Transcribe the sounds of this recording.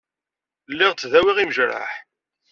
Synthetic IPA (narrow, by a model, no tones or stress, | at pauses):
lːɪʁt͡sːðæwiʁiməʒɾa̰ħ